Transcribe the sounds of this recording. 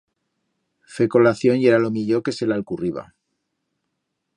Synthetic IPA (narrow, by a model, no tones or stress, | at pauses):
fe̞ko̞laθjo̞njeɾalo̞miʎo̞ke̞se̞lalkuriβa̰